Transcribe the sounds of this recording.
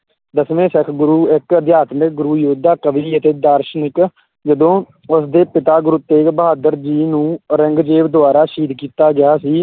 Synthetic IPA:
d̪əsʋẽːsəkʰɡʊɾuːɪkəd̪jaːt̪mɪk̚ɡʊɾuːjoːd̪aːkəʋiːət̪eːd̪aːɾʃnɪk | d͡ʒəd̪õː | ʊsd̪eːpɪt̪aːɡʊɾut̪ːeːbɦaːd̪əɾd͡ʒiːnũːɾəŋɡd͡ʒeːʋd̪ʊaːɾaːʃiːd̪kiːt̪aːɡɪjaːsiː

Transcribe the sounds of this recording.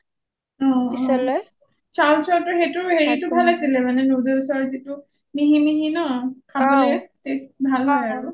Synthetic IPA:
ɔ̃ | t͡ʃawnsɔtɔɦetuɦeɹitubʱalasilɛmanɛnudelsɔɹzitu | miɦimiɦinɔkʰamletesbʱalaau

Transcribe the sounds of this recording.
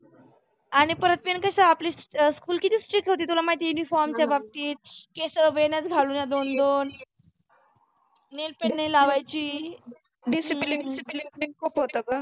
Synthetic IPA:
aɽ̃ipəɾət̪̚minkəsaapliːsskuːlkit̪iːsʈɾikɦot̪iːt̪ulamait̪junifɔɾmt͡ɕjabab̚t̪iːt̪̚kesəɾəʋeɳjat͡sɡʱaluːnjad̪ond̪on | elpeʈnailaʋajt͡ɕiː | ɖisiipiiŋkʰuːpɦot̪əka

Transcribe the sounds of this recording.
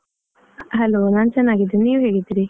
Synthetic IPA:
ɦɐloːnaːnt͡ʃɐnːaːɡid̪ːeniːʋɦeːɡid̪ːiɾi

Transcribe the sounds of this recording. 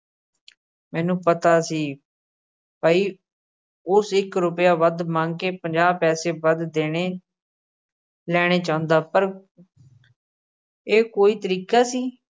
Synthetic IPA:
mɛ̃ːnũːpət̪aːsiː | paːiː | ʊsɪkɾʊpjaːʋəd̪mãːŋɡkeːpəɲd͡ʒaːbpɛːseːbəd̪d̪eːɽeː | lɛːɽ̃eːt͡ʃãːʊ̃nd̪aːpəɾ | eːkoːiːt̪əɾiːkaːsiː

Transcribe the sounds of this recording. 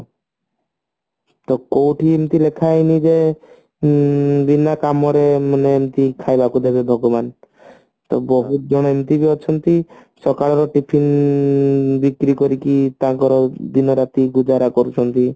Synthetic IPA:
t̪ɔkowʈʰiemt̪ilekʰajnid͡ʒe | binakamɔɾemaneemt̪ikʰajbakud̪ebebʱɔɡɔban | t̪ɔbɔɦut̪̚d͡ʒɔɽ̃ɔemt̪ibiɔt͡ʃʰɔnt̪isɔkaɭɔɾɔʈipʰin | bikɾikɔɾikit̪akɔɾɔd̪inɔɾat̪iɡud͡ʒaɾakɔɾut͡ʃʰɔnt̪i

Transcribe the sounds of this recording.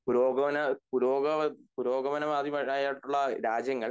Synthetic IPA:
puɾo̞ːɡɐʋɐnɐpuɾoːɡɐpuɾo̞ːɡɐʋɐnɐmaːd̪jɐmɐaːjaːʈːuɭːɐɾaːd͡ʑjɐŋːɐɭ

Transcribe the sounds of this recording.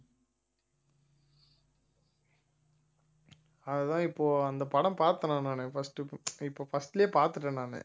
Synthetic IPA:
ɐðɐt̪ãːɪpːoːɐnd̪ɐpɐɽɐ̃mpaːɾt̪ɐnãːnaːnɛfɐsʈːɯɪpːoːfɐsʈɪljeːpaːɾt̪ɯʈːɐnaːnɛ̰

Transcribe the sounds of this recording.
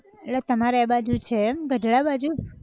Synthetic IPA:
let̪əmaɾeabad͡ʒut͡ʃʰeɡəɖɭabad͡ʒu

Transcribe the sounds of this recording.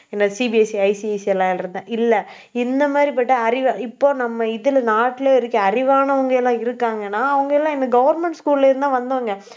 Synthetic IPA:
ɛnːɐsibiɐsiɐɪsiɐɪsɛlːãːɪlɪɾɯnd̪ãːʔɪlːɐ | ɪnd̪ɐmaːd̪ɾip̬ɐʈːɐɐɾɪʋãɪpːoːnɐmːɐɪðɪlnaːʈːɪleɪɾɯkːɐɐɾɪʋaːnɐʋɐŋɡɐɛlːãːɪɾɯkːaːŋɡɐnːaːɐʋɐŋɡɐɛlːãːɪnd̪ɐɡɐʋɐɾmɛɳʈskuːllɐɪɾɯnd̪ãːʋɐnd̪ɐːɐŋɡɐ

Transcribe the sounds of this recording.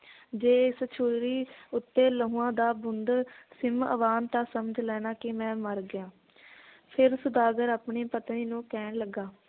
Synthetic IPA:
d͡ʒeːɪst͡ʃʰʊɾiːʊt̪ːeːləɦũːãːd̪aːbʊnd̪sɪmə̰ʋaːnt̪aːsəməd͡ʒlɛːnaːkɪmɛ̃ːməɾɡɪjãː | pʰɪɾsʊd̪aːɡəɾaːpɳiːpət̪niːnũːkɛːɳləɡaː

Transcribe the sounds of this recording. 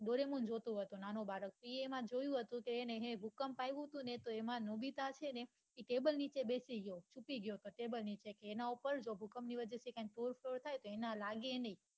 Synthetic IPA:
ɖoɾemũnd͡ʒot̪ũɦət̪onanobaɾək̚piiemãd͡ʒojũɦət̪ũkeːneɦẽbʱukəmpajʋũt̪ũnet̪oemãnobit̪at͡ʃʰene | iʈebəlnit͡ʃebesiɡjot͡ʃupiɡjoət̪oʈebəlnit͡ʃekeːnaupəɾd͡ʒobʱukəmniʋəd͡ʒəsekãnʈuɾfʰloɾt̪ʰajt̪oenalaɡenəĩ

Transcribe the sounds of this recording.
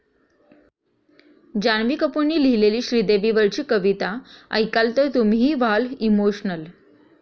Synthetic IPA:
d͡ʑanʋiːkəpuɳːiːlileliːɕɾid̪eʋiʋəɾt͡ɕiːkəʋit̪aə̰jkalt̪əɾt̪umɦiːʋalimoɕnəl

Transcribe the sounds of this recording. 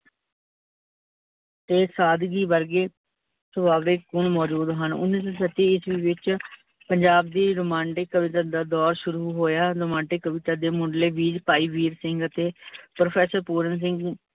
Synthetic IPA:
t̪eːsaːd̪ɡiːʋəɾɡeː | səbaːʋɾeːkʊɳmɔːd͡ʒuːd̪ɦənʊ̰nːiːs̬ɔ̃ːsət̪ːiːɪsʋiːʋɪt͡ʃ | pəɲd͡ʒaːbd̪eːɾʊmãːɳʈekːəʋɪt̪aːd̪aːd̪ɔːɾʃʊɾuːɦoːjaːɾʊmãːɳʈɪkːəʋɪt̪aːd̪eːmʊ̃ːɳɖleːʋiːd͡ʒpaːiːʋiːɾsɪŋɡət̪eːpɾopʰɛːsəɾpuːɾəns̬ɪ̃ŋɡ

